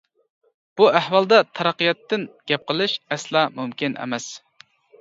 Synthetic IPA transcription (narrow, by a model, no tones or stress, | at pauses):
b̥uæhwɑlˠd̪ɛt̪ʰɑɾɑqijɑt̪ːɪnɡ̥ʲɛp̚qəlˠɨʃɛslˠɑːmumkʲinʔɛ̰mɛs